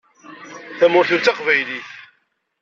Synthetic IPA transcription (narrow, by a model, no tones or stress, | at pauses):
θæmʊɾθʊt͡sːaqvæjliθ